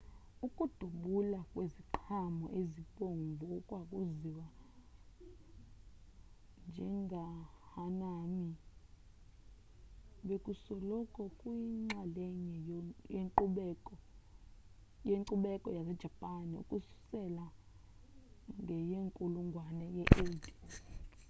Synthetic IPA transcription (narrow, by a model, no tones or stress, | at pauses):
ukʼud̥ʱuɓulakʼweziǃʰamɔ̰ʔezipʼoɱvuukʼwakʼuziwa | nd͡ʒʱɛŋɡʱahanami | ɓekʼusɔlɔkʼɔkʼwiŋ͡ǁalɛɲɛjeŋǃuɓɛkʼɔ | jeŋǀuɓɛkʼɔjasɛd̥ʒ̥ʱapʼaniṵkʼusu̥sɛla | ŋɡʱɛjeŋkʼuluŋɡʱwanɛjɛʔetʼi̥